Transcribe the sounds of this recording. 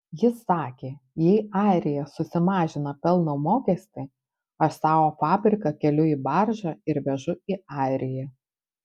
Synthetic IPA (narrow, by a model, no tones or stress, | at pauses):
jɪsːɑːkʲeːjɛɪɑˑɪɾʲɪjɛsʊsʲɪmɑːʒʲɪnɐpʲɛlˠnoːmoːkʲɛsʲt̪ʲɪ | ɐʃsɑːʋoːfɑːbʲɾʲɪkɐkʲɛlʲʊiːbɐɾʒɐɪɾʋʲɛʒʊiɑːˑɪɾʲɪjɛ